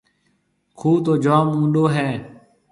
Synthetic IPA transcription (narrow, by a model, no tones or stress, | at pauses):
kʰuːt̪oːd͡ʒaːmũːɗoːɦɛː